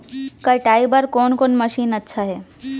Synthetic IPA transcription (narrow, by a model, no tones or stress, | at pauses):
kəʈajbəɾkonkoːnməʃiːnətːʃʰaɦe